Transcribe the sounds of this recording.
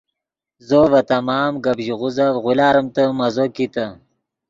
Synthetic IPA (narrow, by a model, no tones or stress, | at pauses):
zovɐt̪ɐmɑːmɡabʒiʁuzavʁulaːɾɐmt̪əmɐzokit̪ɐ